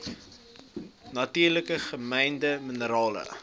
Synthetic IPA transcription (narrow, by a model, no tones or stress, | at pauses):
nɐtiːrləkəχəmɛjndəmənəɾɑːlə̰